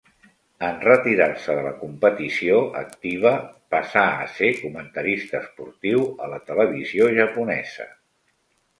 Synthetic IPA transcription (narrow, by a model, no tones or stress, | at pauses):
ənrət̪iɾarsəðələkumpət̪isioə̰k̚t̪iβ̞əpəsa̰ːsekumənt̪əɾist̪əːspuɾt̪iwələt̪ələβ̞izioʒəpunɛ̰z̥ə̰